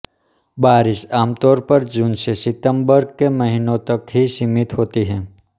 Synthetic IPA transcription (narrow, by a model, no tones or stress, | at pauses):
baːɾɪʃaːmt̪ɔːɾpəɾd͡ʒuːnsesɪt̪ə̃mbəɾkemɐɦɪnõt̪ɐkɦisimɪt̪ɦoːt̪iɦɛ̃ː